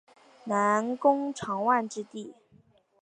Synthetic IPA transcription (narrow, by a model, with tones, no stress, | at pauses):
na˧˥nkʊ˥ŋʈ͡ʂʰɑ˧˥ŋwa˥˧nʈ͡ʂɻ̩˥t̪i˥˩